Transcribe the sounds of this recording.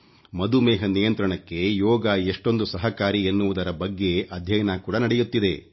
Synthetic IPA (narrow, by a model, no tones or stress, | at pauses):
mɐd̪umɛːɦɐnijɐnt̪ɾɐɳɐkːe̞jɔːɡaeʂʈo̞nd̪usɐɦɐkaːɾienːuʋud̪ɐɾɐbɐɡːe̞ʔɐd̪ʱjɐjnaːkuːɽɐnɐɽejut̪ːid̪e̞